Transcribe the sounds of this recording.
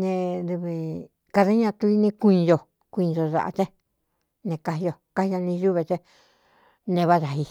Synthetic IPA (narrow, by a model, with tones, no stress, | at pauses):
nẽ˧ðu˧βi˧ | ka˧ða˦ɲã˧t̪u˧i˦nĩ˧kũ˧jo˧ | kʷĩ˧o˧ða̰˧˨ʔa̰˧t͡ʃẽ˦ | nẽ˧ka˧i˧jo˧ka˦hi˧a˧nĩ˧ʒu˦βe˧t͡ʃe˦ | nẽ˧βa˦ða˨ɦi˧